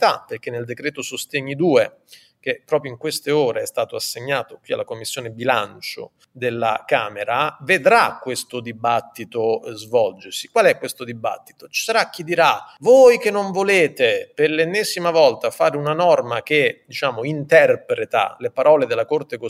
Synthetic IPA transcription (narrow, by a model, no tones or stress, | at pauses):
t̪aperk̟enːeld̪ekɾɛːt̪osost̪eɲːid̪uːe | k̟epːɾɔːpɾjoiŋkwest̪eoːɾeɛst̪aːt̪oasːeɲːaːt̪okwia̰lːakomːisːjoːnebilant͡ʃo̰ | d̪elːa̰kaːmeɾaved̪ɾakːwest̪od̪ibat̪ːit̪ozvɔld͡ʒersi̥kwalɛkːwest̪od̪iba̰t̪ːi̥t̪o̥t͡ʃi̥saɾak̟ːid̪iɾavoːjk̟enːoɱvoleːt̪eperlenːɛːzimavɔlt̪afaːɾeunanɔrmak̟ed̪it͡ʃaːmoint̪ɛrpɾet̪a̰lepaɾɔːled̪elːakort̪eko